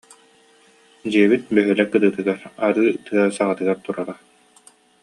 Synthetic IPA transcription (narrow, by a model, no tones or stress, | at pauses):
d͡ʑiɛbit̪̚bœɦœlɛkɯd̪ɯːt̪ɯɡaɾaɾɯːt̪ɯɐsaʁat̪ɯɡaɾt̪uɾaɾa